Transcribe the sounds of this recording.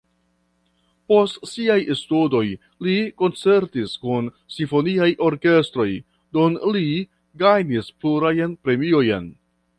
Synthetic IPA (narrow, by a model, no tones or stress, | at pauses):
po̞stsiajestudo̞j | liko̞nt͡se̞ɾtiskun | sinfo̞niajʔo̞ɾke̞stɾo̞j | dunli | ɡajnispluɾajnpɾe̞mio̞jen